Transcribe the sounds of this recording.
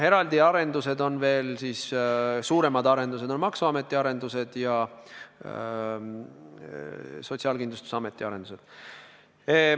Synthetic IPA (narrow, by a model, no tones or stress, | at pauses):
e̞ɾɑld̪iɑɾe̞nd̪use̞d̪o̞nve̞ːlsiːssuːɾe̞mɑd̪ɑɾe̞nd̪us̬e̞d̪̥o̞nmɑksuɑme̞t̪ːˑiɑɾe̞nd̪use̞d̪̥jɑ | so̞t̪ʲsiɑːlkind̪lust̪u̥sɑme̞t̪ːˑiɑɾe̞nd̪use̞d̪̥